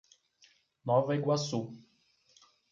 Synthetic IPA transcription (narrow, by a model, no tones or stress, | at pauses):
nɔvɐiɡwasu